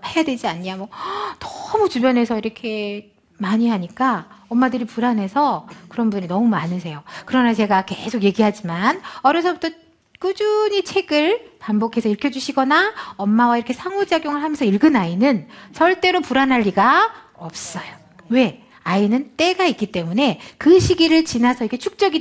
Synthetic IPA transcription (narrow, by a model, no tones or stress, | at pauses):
he̞jadwed͡ʑiaɲːiamʌtʌ̥mut͡ɕubjʌnɦe̞sʰʌiɾʌkʰe̞ | maɲiɦaɲik͈aʌmːadɯɾipuɾanɦe̞sʰʌkɯɾʌnbuinʌmumanɯs̬ʰe̞jokɯɾʌnat͡ɕe̞ɡake̞sʰokje̞ɡiɦad͡ʑimanʌɾjʌs̬ʰʌbut͈ʰʌ | k͈ud͡ʑuɲit͡ɕʰe̞ɡɯɭpambokʰe̞sʰʌiɭkʰjʌd͡ʑuɕʰiɡʌnaʌmːawaiɾʌkʰe̞sʰaŋud͡ʑaɡjoŋɯɭɦamjʌnsʰʌiɭɡɯnainɯnsʰʌɭt͈e̞ɾopuɾanɦaʎːiɡa | ʌp̚s͈ʌjo̥ | we̞ | ainɯnt͈e̞ɡaik͈it͈e̞mune̞kɯɕʰiɡiɾɯɭt͡ɕinasʰʌiɾkʰet͡ɕʰuk̚t͡ɕ͈ʌɡi